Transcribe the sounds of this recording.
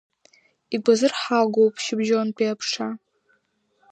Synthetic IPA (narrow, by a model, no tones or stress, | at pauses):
iɡʷazɨrħaɡʷowpʰʼʃɪbʒonpʰʼiapʰʂa